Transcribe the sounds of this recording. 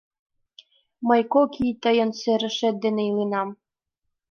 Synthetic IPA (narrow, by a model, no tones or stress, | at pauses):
məjkokijt̪əjɤ̆nseɾɘ̆ʃĕt̪̚d̪eneilinɑm